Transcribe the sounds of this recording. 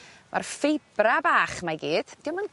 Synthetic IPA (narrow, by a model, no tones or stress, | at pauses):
mʔa̰rfejb̥rabaːχmaɡiːd̥d̥ɪwmən